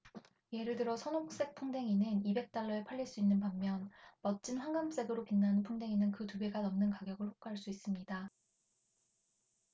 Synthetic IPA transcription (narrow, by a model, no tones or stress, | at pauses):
je̞ɾɯɭdɯɾʌsʰʌnok̚s͈e̞k̚pʰuŋde̞ŋinɯnibe̞k̚t͈aɭːʌepʰaʎːiɭs͈uinːɯnpamːjʌnmʌt̚t͡ɕ͈inɸwaŋɡams͈e̞ɡɯɾopinːanɯnpʰuŋde̞ŋinɯnkɯtubeɡanʌmnɯnkaɡjʌɡɯɭɸok̚k͈ɦaɭs͈uis͈ɯmɲida